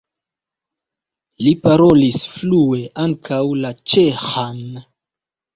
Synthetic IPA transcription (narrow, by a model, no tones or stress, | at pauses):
lipaɾolisflue̞aŋkʰawlat͡ʃexan